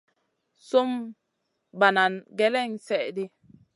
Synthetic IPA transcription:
so˦m | ba˨na˨nɡe˦le˦˨ŋsɛ˨di˦

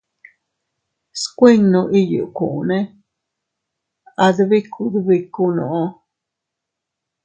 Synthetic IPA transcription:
skʷe˦ŋno˨ʔi˦jṵ˨ʔku˨ʔne˦ | ad̪βi˦kʰːud̪bikːuno˨ʔo

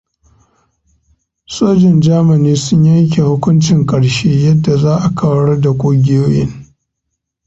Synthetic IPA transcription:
soː˦d͡ʒɪ˨nd͡ʒaː˦ma˨niː˦sʊ˦ɲjɐ˦ŋk̬ʲe˨hʊ˦kʷʊ˦nt͡ʃɪ˨ŋkʼɐ˨ɽʃeː˦jɐ˦dːa˨zaː˦ʔa˨kʰɐ˦wɐ˦ɽɐ˦da˨kʷʼoː˦ɡʲɪ˦joː˦jɪ̰˦ŋ

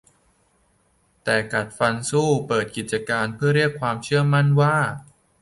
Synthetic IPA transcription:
t̪ɛː˨˩ka˨˩t̪̚fa˧nsuː˥˩pɤː˨˩t̪̚ki˨˩t̪̚t͡ɕa˧kaː˧npʰɯ˥˩əɾi˥˩əkʰːwaː˧mt͡ɕʰɯ˥˩əma˥˩nwaː˥˩

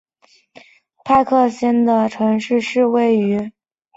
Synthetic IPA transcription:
pʰa˥˧ɪkʰɤ˥˩ɕjɛ˥nd̪ə˨ʈ͡ʂʰɤ˧˥ŋʂɻ̩˥˧ʂɻ̩˥˧we˥˩ɪy˧˥

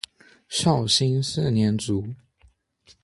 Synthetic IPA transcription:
ɕjɑ˥˨ʊɕi˥ns̩˥˨njɛ˨˥nt͡su˨˥˦

